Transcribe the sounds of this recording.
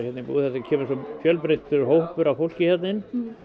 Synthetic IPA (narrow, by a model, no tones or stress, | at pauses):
jɛt̪nɪpṵːðhɛt̪ɪcʰɛːmʏsɔmfjœlpɾet̪ːʏɾɦowhpʏɾawfowl̥cɪçjɛt̪nɪn